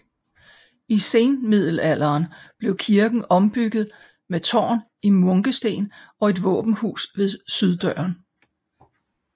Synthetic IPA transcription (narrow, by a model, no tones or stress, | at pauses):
ise̝ːnmið̞̰ˠl̩æl̰ɐːnb̥le̝ʊkʰiɐɡ̥n̩ɒ̽mb̥yɡ̥ð̩ˠ | met͡sʰɒ̰ːn | imɔ̽ŋɡ̥əsd̥e̝̰ːnɒ̽e̝d̥ʋɔ̰̽ːb̥n̩hṵːsʋe̝ðˠsyð̞ˠd̥œɐn